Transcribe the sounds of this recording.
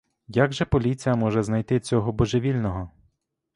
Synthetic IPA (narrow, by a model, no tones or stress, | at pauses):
jaɡʒɛpɔlʲit͡sʲijɐmɔʒɛznɐjt̪ɪt͡sʲɔɦɔbɔʒeʋʲilʲnɔɦɔ